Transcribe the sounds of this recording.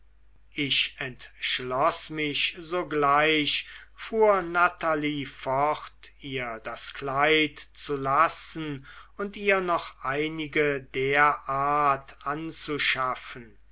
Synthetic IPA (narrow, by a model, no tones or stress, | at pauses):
ʔɪʃɛntʃlɔsmɪɕzoːɡlaɪɕfuːɐnataliːfɔχtiːɐdasklaɪtt͡sulasn̩ʊntiːɐnɔχʔaɪnɪɡədeɐʔaːtʰʔant͡suʃafən